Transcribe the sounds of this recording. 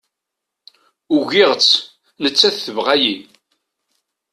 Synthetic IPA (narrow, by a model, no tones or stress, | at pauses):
uʝɪʁət͡sː | nət͡sːæθθəvʁæji